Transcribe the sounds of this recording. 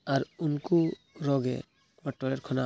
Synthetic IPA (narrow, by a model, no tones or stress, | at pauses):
aɾunku | ɾɔɡɛ̰ | maʈːɔɽɛɾkʰɔna